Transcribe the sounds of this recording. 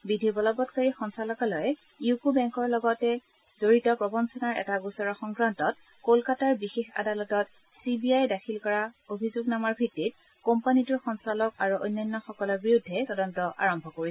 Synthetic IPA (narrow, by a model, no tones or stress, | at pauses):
bidʱibɔlɔbɔtkaɹixɔnsalɔkalɔjɛ | jukubɛŋkɔɹlɔɡɔtɛ | zoɹitɔpɹɔbɔnsɔnaɹɛ̰taɡusɔɹɔxɔŋɡɹantɔt̚ | kolkataɹbixexa̰dalɔtɔt | sibiajdakʰilkɔɹaobʱizuɡnamaɹbʱitːit̚ | kɔmpanituɹxɔnsalɔkaɹuʔojnːɔnːɔxɔkɔlɔɹbiɹudʱːɛtɔdɔntɔʔa̰ɹɔmbʱɔkoɹisɛ